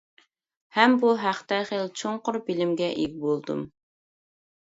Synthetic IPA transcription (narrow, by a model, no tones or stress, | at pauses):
hɛmbuɦæχt̪ɛχelt͡ʃʰoŋqʊɾbilɪmɡʲɛʔiɡ̚ʲbolˠd̪ṵm